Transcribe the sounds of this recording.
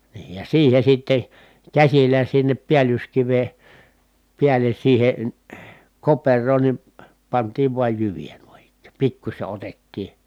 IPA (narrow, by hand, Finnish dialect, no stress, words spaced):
niː jɑ siːhe sitːe kæsilːæ sinːep piælyskiʋe piælen̞ siːhen̞ koperˑoːn ni pɑntˑiːʋ ʋuɑj jyʋijæ nuin ikˑæ̥ː pikːusʲe otetːiː